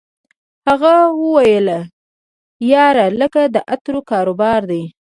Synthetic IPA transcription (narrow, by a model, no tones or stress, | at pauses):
haɣawəwajəla | jɑɾaləkad̪əʔat̪ɾokɑɾobɑɾd̪e